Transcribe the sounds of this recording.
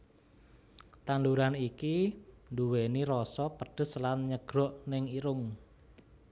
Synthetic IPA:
t̪anduɾanikinduweniɾɔsɔpəɖ̥ə̤slanɲəɡ̥ɾɔʔnɪŋiɾʊŋ

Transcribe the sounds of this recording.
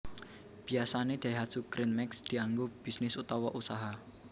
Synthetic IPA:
b̥i̤asaned̪̥a̤iɦad̥sukɾɪnmɛksd̪̥i̤aŋɡob̥isnɪsut̪ɔwɔʔusaɦa

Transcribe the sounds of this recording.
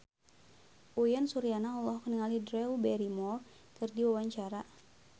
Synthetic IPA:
ʔujansuɾianaɔlɔhkəniŋalidɾɛubɛɾimɔ | kɨrdiwawaɲt͡ʃaɾa

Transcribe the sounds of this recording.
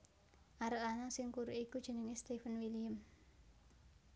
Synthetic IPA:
ʔaɾəʔanasɪŋkuɾuʔikud̥ʒ̥ə̤nəŋest̪ifənwilijəm

